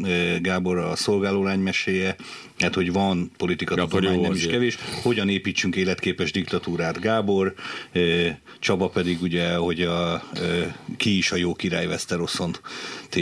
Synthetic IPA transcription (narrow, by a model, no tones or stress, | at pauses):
ɡaːbo̞ɾɒso̞lɡaːloːlaːɲmɛʃeːjɛ | ɛt̪ho̞ɟvɒnpo̞lit̪ikɒt̪ud̪olmaːɲːɛmiʃkɛveːʃho̞ɟɒneːpiːt͡ʃːyŋkeːlɛt̪keːpɛʒd̪ikt̪ɒt̪uːɾaːt̪ɡaːbo̞røː | t͡ʃɒbɒpɛd̪iɡuɟɛho̞ɟɒ | kiːʃɒjoːkiɾa̰ːjvɛst̪ɛɾo̞sːo̞nt̪e